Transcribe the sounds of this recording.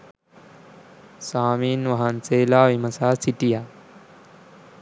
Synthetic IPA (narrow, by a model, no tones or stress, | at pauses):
saːmiːnʋɐɦant͡seːlaʋimɐsaːsiʈija